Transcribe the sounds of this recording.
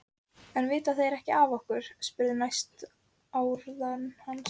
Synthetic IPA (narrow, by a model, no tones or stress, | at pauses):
ɛnvɪːt̪aθejɾɛhcɪaːvɔhkʏɾ̥spɪːɾðɪɾmajst̪ | aːwɾðanhan